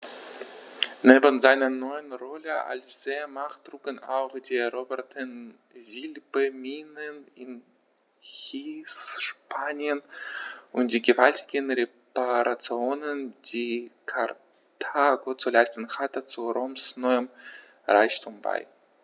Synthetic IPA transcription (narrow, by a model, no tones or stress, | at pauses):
neːbənzaɪnɐnɔʏənʁɔləʔa̰lsz̥eːmaχd̥ʁ̥uːkəna̰ʊxd̥iːɛʁoːbɛɐtʰən | zilbəmiːnənɪn | hiːsʃpʰaːnjənʔʊntd̥iːɡəvaltɪ̥ɡənʁepaʁat͡sjoːnənd̥iːkʰaʁ | tʰaːɡot͡sulaɪstən̩hatət͡suʁomsnɔʏəm | ʁa̰ɪçtʰuːmba̰ɪ